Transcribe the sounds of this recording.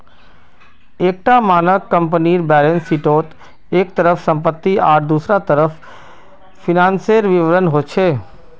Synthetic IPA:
eːk̚ʈamaːnəʋkə̃mpəniːɾbɛːlensiʈoːt̪ | eːkt̪əɾəfsə̃mpət̪ːiaːʈd̪usɾat̪əɾəf | fɪnãːnseɾʋɪʋəɾənɦot͡ʃʰe

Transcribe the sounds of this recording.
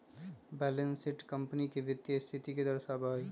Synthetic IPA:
bɛːlə̃nsɪʈkə̃mpnikeʋɪt̪jəst̪ʰɪt̪iked̪əɾsabai

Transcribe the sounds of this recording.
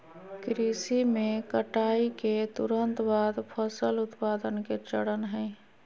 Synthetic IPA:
kɾisimẽkəʈaːiket̪ʊɾənt̪baːd̪pʰəsəlʊt̪paːd̪ənket͡ʃəɽənɦɛ̃

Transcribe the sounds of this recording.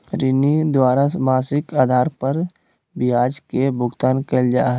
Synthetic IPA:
ɾɪnid̪waːɾamaːsɪkaːd̪ʱaːɾpəɾ | bɪjaːd͡ʒkebʊɡt̪aːnkeld͡ʒaːɦ

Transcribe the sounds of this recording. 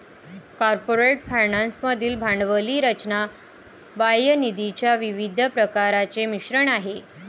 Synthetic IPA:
kɔɾpoɾeʈfʰajnansməd̪ʱiːlbʱaɳɖʋəliːɾət͡ɕna | bajənid̪it͡ɕjaʋiʋid̪ʱəpɾəkaɾat͡semiɕɾəɳaɦe

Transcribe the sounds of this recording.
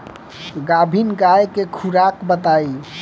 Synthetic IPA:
ɡabʱinɡajkekʰuɾakbət̪ai

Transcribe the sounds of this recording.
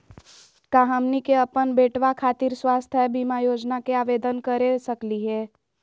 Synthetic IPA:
kaɦəmnikeəpənbeːʈʋakʰaːt̪iɾswaːst̪ʰɦɛbʱimajoːd͡ʒnakeaʋed̪ənkəɾesəkliɦɛː

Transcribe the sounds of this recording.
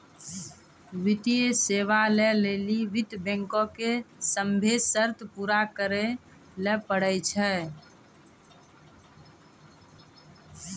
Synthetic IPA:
ʋɪt̪iəseːʋaleleliʋɪt̪bɛ̃ŋkõkesəmbʱesəɾt̪ʰpuɾakəɾe | lepəɽət͡ʃʰɛ

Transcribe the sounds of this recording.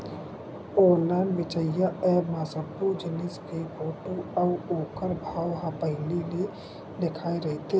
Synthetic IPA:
ɔːnlaːnʋɪt͡ʃəjjaɛːmaːsəpːud͡ʒɪnɪskeboːʈuɔoːkəɾbʱaːwɦãpəɦɪlili | nɪkʰaːiɾɛɦt̪e

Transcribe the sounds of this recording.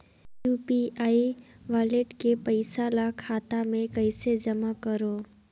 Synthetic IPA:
juːpiaːiʋaːleʈkepɐɪsalakʰaːt̪amẽkɐɪsed͡ʒɐmakəɾoː

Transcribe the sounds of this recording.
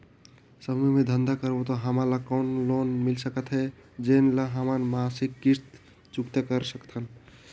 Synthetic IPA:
səbmemẽd̪ʱənd̪akəɾbot̪ɔɦəmalakɔːnlonmilsəkət̪ɦɛ | d͡ʒenlaɦəmanmasikːist̪ | t͡ʃukt̪ekəɾsəkt̪ʰɦən

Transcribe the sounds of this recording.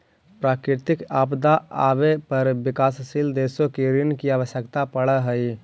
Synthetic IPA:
pɾaːkɾɪt̪ɪkaːpd̪aa̰ːbepəɾbɪkaːssild̪eːsõkeɾinkiaːʋəʃjəkt̪apəɽəɦəi

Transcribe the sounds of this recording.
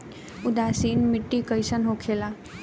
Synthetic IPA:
ʊd̪aːsiːnmɪʈːikəjsənɦokʰela

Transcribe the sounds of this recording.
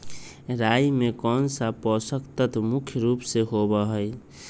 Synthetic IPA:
ɾajmekɔnsapɔsəkt̪ət̪mukʰjəɾupseɦobəɦəj

